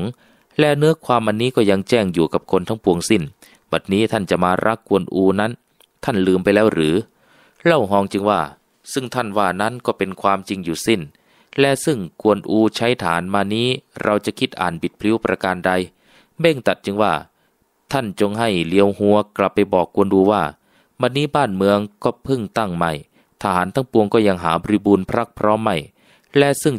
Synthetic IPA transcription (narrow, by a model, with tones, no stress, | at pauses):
ŋ | lɛː˧˥˩nɯ˦˥ɐəkʰwaː˧mʔa˧nːiː˦˥˨kɔː˧˩ja˧ŋt͡ɕɛː˧˩ŋjuː˨˩ka˨˩p̚kʰo˧nt̪ʰa˦˥ŋpʰu˧əŋsi˧˩n | ba˨˩t̪̚niː˦˥˨t̪ʰa˧˥˩nt͡ɕa˨˩maː˧ɾʔa̰˦˥˩kʰːu˧ənʔuː˧na˦˥n | t̪ʰa˥˩nlɯː˧mpa˧jlɛː˦˥˩wɾɯː˨˦ | lɛ˧˩wɦɔː˧˩ŋt͡ɕɯ˧ŋwaː˧˩ | sɯ˧˩ŋt̪ʰa˧˥˩nwaː˧˩na˦˧˥nkɔː˧˩pe˧nkʰwaː˧mt͡ɕi˧ŋjuː˨˩si˧˩n | lɛ˧˥sɯ˧˩ŋkʰu˧ənʔuː˧t͡ɕʰa˦˥˩jt̪ʰaː˨˦nmaː˧niː˧˥˨ɾʔa˧wt͡ɕa˨˧˨kʰi˧˥t̪̚ʔa̰ː˨˩nbi˨˩t̪̚pʰli˧˥˩wpɾʔa˧kaː˧nda˧j | be˧˥˩ŋt̪a˨˩t̪̚t͡ɕɯ˧ŋwaː˧˩ | t̪ʰa˧˥˩nt͡ɕo˧ŋɦa˧˩jli˧əwhu˧əkla˨˧˩pːa˧jbɔː˨˩kːu˧ənduː˧waː˧˩ | ba˧nːiː˦˥˨baː˧˥˩nmɯ˧əŋkɔː˧˩pʰɯ˧˩ŋt̪a˧˥˩ŋma˧˩j | t̪ʰaː˧˩haː˨˦nt̪ʰa˧˥˩ŋpu˧əŋkɔː˧˩ja˧ŋɦaː˩˦bɔː˧i˧˥buː˧npʰɾa˦˧˥k̚pʰɾɔː˦˥˨mːa˧˩j | lɛ˧˥sɯ˧˩ŋ